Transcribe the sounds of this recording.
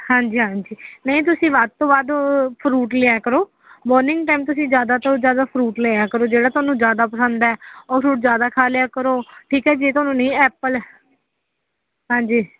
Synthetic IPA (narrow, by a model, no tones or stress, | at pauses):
hãːɲd͡ʒiːɦãːɲd͡ʒiːnəĩːt̪̬ʊsĩːʋaːd̪̚t̪õːbaːd̪pʰɾuːʈleːaːkəɾoː | bɔːɾnɪ̃ŋɡʈaːmt̪ʊsĩːzjaːd̪aːt̪ozjaːd̪aːpʰɾuːʈleːaːkəɾoːd͡ʒeːɽaːt̪ʊaːnũːd͡ʒjaːd̪aːpəsə̃nd̪ɛːɔːɾpʰɾuːʈzjaːd̪aːkʰaːljaːkəɾoːʈʰiːkɛːd͡ʒeːt̪ʊaːnũːnəĩːɛːpəl | ɦãːɲd͡ʒiː